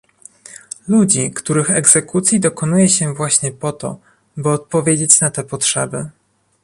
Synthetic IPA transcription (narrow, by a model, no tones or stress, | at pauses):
lud͡ʑikt̪uɾɘxɛɡz̥ɛkut̪sʲjid̪ɔkɔnujɛɕɛvwaɕɲɛpɔt̪ɔ̰ | bɘɔt̪̚pɔvʲjed͡ʑet͡ɕnat̪ɛpɔtʂɛbɘ